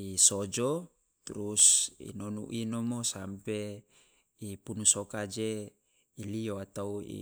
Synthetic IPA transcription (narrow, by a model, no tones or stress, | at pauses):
isod͡ʒo | t̪ɾusḭnɔnṵʔinomosampe | ipunusokad͡ʒe | ilioat̪auḭ